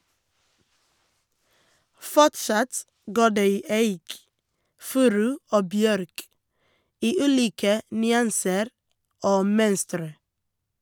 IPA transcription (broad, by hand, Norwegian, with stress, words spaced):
ˈfɔʈsɑt ˈɡoː ˈɖeː ˈiː ˈæɪk ˈfʉːɾʉ ˈoː ˈbjœɾk ˈiː ˈʉːliːkə nʏˈɑnsəɾ ˈoː ˈmœnstɾə